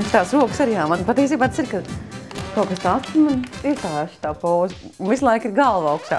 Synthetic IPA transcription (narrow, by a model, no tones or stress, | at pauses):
ʃt̪aːsɾuɔksaɾjaːmanpat̪iːs̬iːbaːt̪ḁsiɾkat̪ukast̪aːat̪smaniɛsaːjaʃt̪aːpoːz | unvislˠajkiɾɡalˠʋaʊkʃa̰ː